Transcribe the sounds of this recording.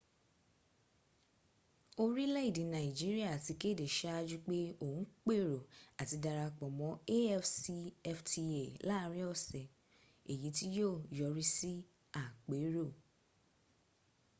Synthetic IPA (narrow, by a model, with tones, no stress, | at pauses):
o˦ɾi˦lɛ˦i˦˨dĩ˨˦nã˨i˨d͡ʒi˦ɾi˦a˦˨ti˨˧ke˦˨de˨ʃa˦a˧d͡ʒu˦k͡pe˦o˨ũ˨˦k͡pe˦˨ɾo˨a˨ti˨˧da˧ɾa˧k͡pɔ˨mɔ̃˨˦e˦ɛ˦fsi˧ɛ˧fti˧e˨la˦˧˦ɾĩ˦ɔ˦˨sɛ˨ | e˨jĩ˨˦ti˦joː˦˨jɔ˨˧ɾi˦si˦ | a˦˨k͡pe˨˦ɾo˦˨